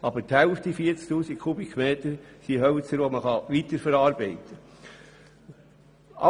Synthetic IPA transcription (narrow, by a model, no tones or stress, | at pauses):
ɑbəɾthɛlftifiəɾt͡skt̪uːsikʰχubikχmeːtəɾsiɦœlt͡səɾʋoməχɑʋitəɾfɛɾɑːɾbeɪtʰə | ɑ